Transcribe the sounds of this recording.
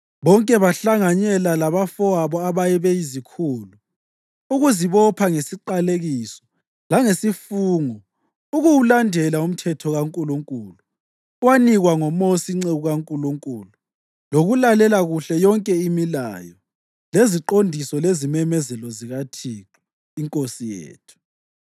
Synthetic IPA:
βɔŋkʼɛβaɬaŋaɲɛlalaβafɔaβɔaβajɛβɛizikʰuːlu | uɣuziβɔpʰaŋesiǃaleɣisɔ̥ | laŋesifuːŋɔ | uɣuwulandʱɛlaum̩tʰɛtʰɔɣaŋkʼuluŋkʼuːlu | waniɣwaŋɔmosiŋ͡ǀeɣuɣaŋkʼuluŋkʼulu | loɣulalɛlaɣuɬɛjɔŋkʼɛimila̰jɔ | leziǃondʱisɔlezimɛmɛzɛlɔziɣatʰiǁu | iŋkʼosijḛːtʰu̥

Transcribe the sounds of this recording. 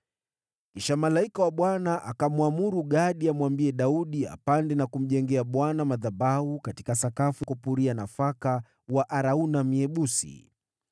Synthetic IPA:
kiʃamalaikawaɓwanaʔakamwamuɾuɠaɗiamwambiɛɗauɗia̰pandɛnakum̩ʄɛŋɡɛaɓwanamaðabaukati̥kasakafukɔpuɾianafaka | waʔaɾaunamiɛɓusḭ

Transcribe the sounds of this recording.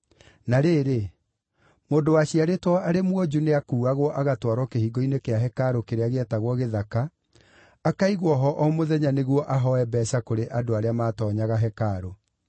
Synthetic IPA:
naɾeːɾe | moːndowaɕiaɾetwɔaɾemwɔd͡ʒuneakuːaɣwɔʔaɣatwaɾwɔkehiɡoinekeaɦɛkaɾokeɾeaɣeɛtaɣwɔɣeðakaː | kaiɣwɔɦɔʔɔmoðɛɲaneɣwɔʔaɦɔɛbɛːsakoɾeʔadoaɾeamaːtɔɲaɣaɦɛkaɾo

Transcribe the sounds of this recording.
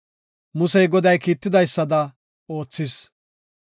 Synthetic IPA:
mʊsɛjɡɔd̪ɐjkiːt̪ːɪd̪ɐjsːɐd̪ɐ | o̞ːt͡sːɪs

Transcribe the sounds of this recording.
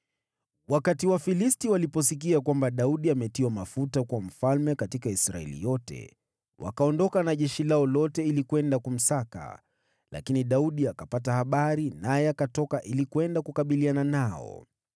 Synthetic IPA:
wakatiwafilistiwalipɔs̬ik̬iakwambaɗauɗiamɛtiwamafutakwam̩falmɛkatikaisɾa̰ɛ̰lḭjɔtɛ̰ | wʔa̰kaɔndɔkanaʄɛʃilaɔlɔtɛilikwɛndakum̩saka̰ | lʔa̰kiniɗauɗiakapat̬ahaɓaɾinajɛakatɔkaʔilikwɛndakukaɓiliananaɔ̰

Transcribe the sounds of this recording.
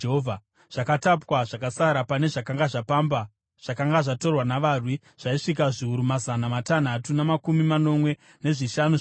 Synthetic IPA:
ɦovʱa | ʐ̥akatapwaʐakasaɾapane̞ʐakaŋɡaʐapamba | ʐ̥akaŋɡaʐato̞rwanaʋaːrwi | ʐ̥aiʂikaʐiuɾumazanamatan̤atunamakumimano̞mwe̞ | ne̞ʐiʃanu

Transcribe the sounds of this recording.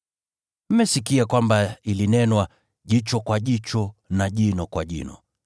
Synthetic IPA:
m̩mɛsikiakwambailinɛnwa | ʄit͡ʃɔkwaʄit͡ʃɔnaʄinɔkwaʄḭnɔ̰

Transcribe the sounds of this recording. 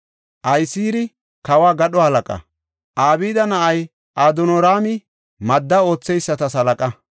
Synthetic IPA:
ʔɐjsiːɾɪ | kɐwaːɡɐɗɔhɐlɐkʼɐ̰ | ʔaːbiːd̪ɐnɐʔɐj | ʔaːd̪ɔnɔɾaːmɪ | mɐd̪ːɐo̞ːt͡sːɛjsːɐt̪ɐsɐlɐkʼɐ

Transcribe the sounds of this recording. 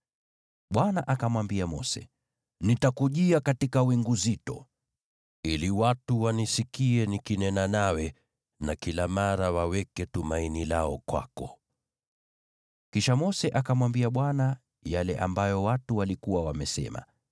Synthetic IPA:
ɓwanaʔakamwambiamɔsɛ̰ | nitakuʄiakatikawiŋɡuzitɔ̰ | iliwatuwanisikiɛnikinɛnanawɛ | nakilamaɾawawɛkɛtumainilaɔkwa̰kɔ | kiʃamɔsɛʔakamwambiaɓwana | jalɛ̰ʔa̰mbajɔwatuwalikuwawamɛsɛ̰ma̰

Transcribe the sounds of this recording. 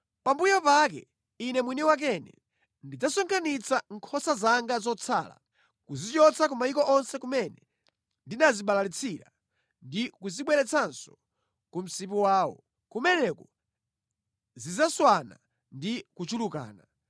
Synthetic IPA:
pambujɔpak̬ɛ̰ | inɛmwinɛwak̬ɛnɛ̰ | ndid͡zasɔŋkʰanit͡saŋkʰɔsazaŋɡazɔt͡sʰa̰la̰ | kuzit͡ʃɔt͡sʰak̬umaikɔʔɔnsɛkumɛnɛ | ndinaziɓalalit͡sʰiɾa̰ | ndikuziɓwɛɾɛt͡sʰansɔ̥ | kum̩sip̬uwaːwɔ̰ | kumɛnɛkɔ | zizaswana̰ | ndikut͡ʃuluka̰ːna

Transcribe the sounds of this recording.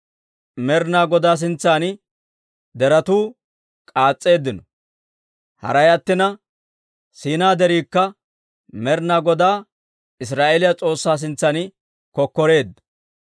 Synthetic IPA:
mɛɾnaːɡɔd̪aːs̬ɪnt͡sːaːnɪ | d̪ɛɾɐt̪uː | kʼaːt͡sʼːe̞ːd̪ːɪnɔ | hɐ̰ɾɐjɐt̪ːɪnɐ | siːnaːd̪ɛɾiːkːɐ | mɛɾnaːɡɔd̪aː | ɪs̬ɾaːʔelɪjɐt͡sʼo̞ːsːaːs̬ɪnt͡sːanɪ | kɔkːɔɾe̞ːd̪ːɐ

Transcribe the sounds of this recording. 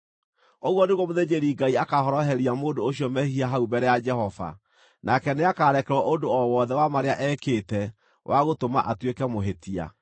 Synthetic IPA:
oɣwɔneɣwɔmoðed͡ʑeɾiɡaiakahɔɾɔɦɛɾiamoːdoːɕiɔmɛhiaɦaubɛɾɛjad͡ʒɛhɔva̰ | nʔakɛneakaːɾɛkɛɾwɔʔodoɔwɔðɛwamaɾeaʔɛkeːtɛ | wʔaɣotoma̰ʔatwekɛmoɦetia̰

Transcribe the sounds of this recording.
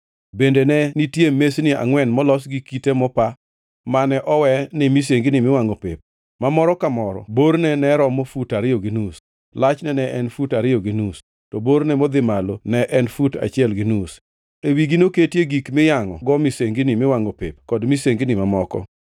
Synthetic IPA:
bendenɛnitjemesnɪa̰ŋwɛnmɔlɔsɡikitemɔpa | manɛʔɔwɛnɪmis̬eŋɡɪnɪmɪwaŋɔpep̚ | mamɔɾɔkamɔɾɔ̰boɾnɛnɛɾɔmofutaɾɪjɔɡɪnus | lat͡ʃnɛnɛʔɛnfutaɾɪjɔɡɪnus | tɔboɾnɛmod̪ɪmalonɛʔɛnfuta̰t͡ʃɪɛlɡɪnus | ewiɡinoketjeɡikmɪjaŋɔɡɔmiseŋɡɪnɪmɪwaŋopepkɔdmiseŋɡɪnɪmamɔkɔ̰

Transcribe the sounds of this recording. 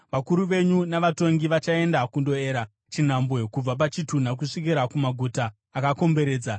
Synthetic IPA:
ʋakuɾuʋe̞ɲunaʋato̞ŋɡiʋat͡ʃae̞ndakundo̞eːɾa | t͡ʃin̤ambwe̞kub͡vap̬at͡ʃitun̤ak̬uʂik̬iɾakumaɡʱutaː | kako̞mbe̞ɾe̞ːd͡za

